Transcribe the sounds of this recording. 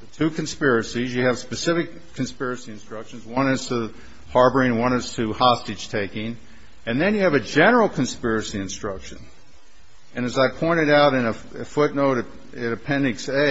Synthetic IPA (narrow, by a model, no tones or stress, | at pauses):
ðɨtʰʉkʰn̩spɪɹɨsizjɨːv̥spɨsɪfɨkʰːn̩spɪɹɨsiɨ̃nstɹ̥ʌkʃn̩zwʌ̃nɨstʰə | hɑɹbə˞ĩnwʌ̃nɨstʰɨhɑstɨd̥ʒ̥tʰeɪkɪ̃ŋ | ɨ̃nðɨ̃njɨːvɨd͡ʒɛnə˞l̩ˠkʰɨ̃n̩spɪɹɨsiɨ̃nstɹ̥ʌkʃɨ̰̃n | ɨ̃nɨzaɪpʰɔ̃ɪ̃ɾ̃ɨɾaʊɾɨ̃nɨ | ɨfʊtⁿnoʊɾɨt | ɨɾɨpʰɛ̃nɨkse